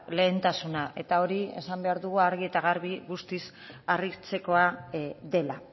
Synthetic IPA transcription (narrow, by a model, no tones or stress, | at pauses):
le̞ːnt̪asunaʔe̞t̪ao̞ɾie̞̰sambe̞aɾðuɣuaɾɣie̞t̪aɣaɾβiɣust̪is | arit͡se̞ko̞aðe̞la